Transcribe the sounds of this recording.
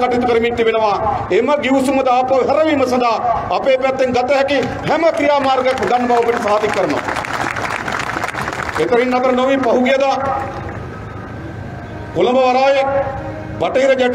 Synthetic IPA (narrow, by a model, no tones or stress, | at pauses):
kɐʈit̪ukɐɾɐmint̪ibenɐʋaːemɐɡiʋsumɐd̪aːpɐɦɐɾɐʋiːmɐs̬ɐd̪aːɐpeːpɐt̪ːeŋɡɐt̪ɐɦɛki | ɦɛmɐkɾijaːmaːɾɡɐkːd̪ɐnbʱaʋɐpɐʈɐsɾaːd̪ikːɐɾɐno̰ | et̪ɐɾinːɐpɐɾɐnoʋiːpɐɦuɡijɐd̪a | kolɐbɐʋɐɾaːje | bɐʈɐiɾɐd͡ʒɛʈ